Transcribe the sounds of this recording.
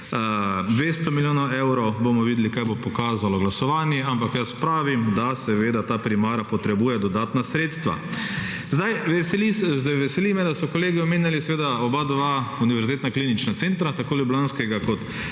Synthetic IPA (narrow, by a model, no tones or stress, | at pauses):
d̪ʋeːst̪ɔmiljoːnɐwɛwɾɔwbomɔʋiːd̪ɛlikajbopɔkaːzalɔɡlasɔʋaːnjɛampakjaspɾaːʋimd̪asɛʋeːd̪at̪aːpɾimaːɾapɔt̪ɾɛbuːjɛd̪ɔd̪aːt̪nasɾeːt̪st̪ʋa̰ | zd̪ajʋɛsɛliszd̪aʋɛsɛlimɛd̪asɔkɔleːɡiɔmeːnjalisɛʋeːd̪aɔbad̪ʋauniʋɛɾzit̪eːt̪naklinit͡ʃnat̪sent̪ɾat̪akoːljublanskɛɡakɔt̪